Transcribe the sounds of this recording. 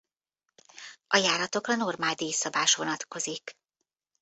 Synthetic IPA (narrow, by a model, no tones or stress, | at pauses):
ʔɒjaːɾɒt̪o̞krɒno̞rmaːld̪eːsɒbaːʃʋo̞nɒt̪ko̞zik